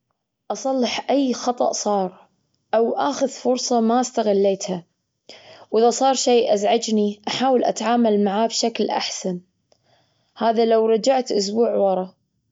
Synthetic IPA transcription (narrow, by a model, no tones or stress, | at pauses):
ʔɑsˤɑlːɪħʔajːxɑt̪ˤɑ̰ʔsˤɑːɾˤ | ʔawʔaːxʊðfʊɾsˤɑmaʔast̪aɣɪlːeːt̪ha | wʔɪðasˤɑːɾˤʃeːʔazʕad͡ʒniʔaħaːwɪlʔa̰t̪ʕaːmalmaʕaːbʃaklʔa̰ħsan | haːðalawɾˤɑd͡ʒaʕt̪ʔʊs̬buːʕwɑɾˤɑ